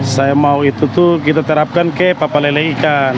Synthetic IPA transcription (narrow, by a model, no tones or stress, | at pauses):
sajamauit̪ut̪ukit̪at̪əɾap̚kankɛpapaleleikan